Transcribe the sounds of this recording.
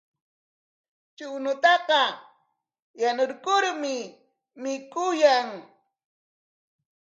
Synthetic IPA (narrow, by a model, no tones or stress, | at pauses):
t͡ʃʊnʊt̪ɑqɑ | janoɾkʊɾmɪ | mɪkʊjaŋ